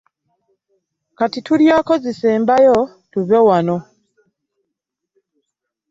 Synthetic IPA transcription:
katituljaːkoziseːmbajo | tuβewano

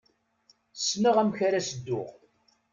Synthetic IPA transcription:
sːnəʁæmçaɾasəd̪ːʊʁ

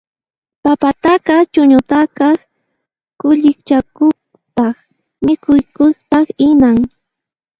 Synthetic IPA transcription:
papat̪aqɑt͡ʃʊɲʊt̪akɑ | kʊʎɪkt͡ʃakʊ | t̪ɑχ | mɪkʊjkʊχt̪ɑχɪnaŋ

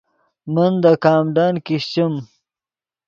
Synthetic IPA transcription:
mɐnd̪ɐkaːmɖaːnkiɕt͡ɕim

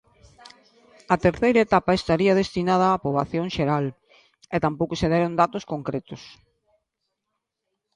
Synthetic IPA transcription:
ɐt̪eɾθejɾɐet̪apɐest̪aɾiɐðest̪inað̞ɐːpɾoβaθjoŋʃeɾal | et̪ampowkʊseðɛɾond̪at̪ʊskoŋkɾet̪ʊs

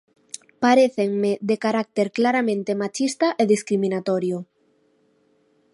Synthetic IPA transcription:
paɾeθeŋmeðekaɾak̚t̪eɾklaɾamẽnt̪emat͡ʃist̪aʔeðiskɾimĩnat̪oɾjo

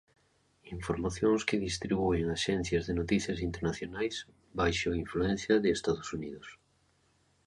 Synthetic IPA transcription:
iɱfoɾmaθjoŋskɪðist̪ɾiβueŋaʃɛn̟θjɐzðɪnot̪iθjɐsint̪eɾnaθjonajs | bajʃoiɱfluɛ̃n̟θjɐðɪːst̪aðosuniðos

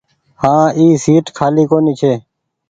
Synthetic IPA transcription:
hãːiːsiːʈkʰaːliːkoːniːt͡ʃʰeː

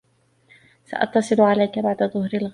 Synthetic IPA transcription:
sa̰ʔɑ̰t̪ːɑsˤɨlʕalajkabaʕd̪aðˤʊhɾalɣ

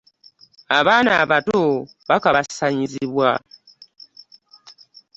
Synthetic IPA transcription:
aβaːnaβato | βakaβasaɲiziβwa̰

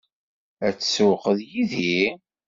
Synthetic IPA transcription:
æt͡sːsuqəðjiði

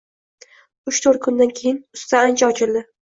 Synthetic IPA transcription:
ʊʃt̪ʰoɾt̪̚kʰʊnd̪ankʲʰe̞jɪnʊst̪ʰaant͡ʃʰaɒt͡ʃʰɪld̪ɪ

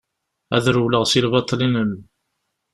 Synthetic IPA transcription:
æ̰ðɾuwləʁsilbɑt̪ˤːlinən

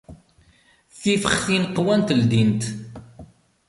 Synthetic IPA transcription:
θifəχθinqːwænt̪əld̪int̪

